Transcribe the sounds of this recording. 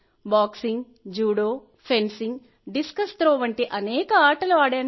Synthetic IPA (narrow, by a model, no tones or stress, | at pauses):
baːksiŋɡ | d͡ʒuːɽoː | pʰensiŋɡ | ɖiskɐsʈ̪ɾoːʋɐɳʈiʔɐnɛːkɐaːʈɐluaːɽaːn